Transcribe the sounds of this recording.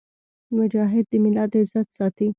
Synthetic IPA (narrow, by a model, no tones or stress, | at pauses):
mʊd͡ʒɑɦɪd̪ːəmɪlɑd̪əzat̪sɑt̪i